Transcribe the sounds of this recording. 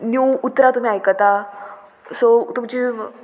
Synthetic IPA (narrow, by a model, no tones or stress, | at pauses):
njuwut̪ːɾat̪um̤iːajkat̪a | sot̪umt͡ɕi